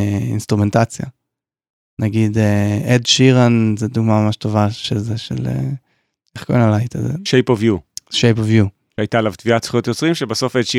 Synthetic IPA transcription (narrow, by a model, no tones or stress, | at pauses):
ḭnst̪ʁumentat͡sja̰ | naɡideedʃiʁanzeduɡmamamaʃto̞vaʃezeʃḛlḛ | eχkonalajt̪ʰazḛʃejpovjuʃejpovju | ʃajtalavt̪viat͡sχjot̪jot͡sʁimʃebaso̞fedʃi